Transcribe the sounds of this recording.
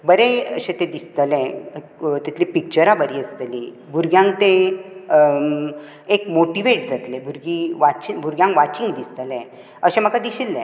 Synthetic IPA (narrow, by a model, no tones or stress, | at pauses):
bəɾeəɕẽt̪ed̪ist̪əlɛ̃ | t̪ɛt̪lipik̚t͡ɕəɾabəɾiəst̪əli | bʱuɾɡjãŋkt̪ẽ | ekmoʈiʋeʈd͡zat̪lebʱuɾɡiʋat͡ɕibʱuɾɡjãŋkʋat͡ɕĩŋɡd̪ist̪əlẽ | əɕẽm̤əkad̪iɕilːḛ̃